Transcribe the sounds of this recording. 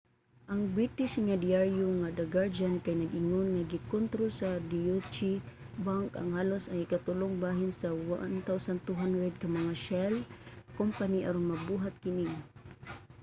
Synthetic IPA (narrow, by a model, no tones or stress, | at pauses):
ʔaŋbɾit̪iʃŋadiaɹjuŋadaɡaɾd͡ʒankajnaɡiŋɔnŋaɡikɔnt̪ɾosadiut͡ʃi | baŋka̰ŋhalʊsaŋikat̪ulʊŋbaɦɪnsawant̪awsant̪uɦandɾɛd̚kamaŋaʃɛlkɔmpaniʔa̰ɾʊnmabuɦat̪̚kiniŋ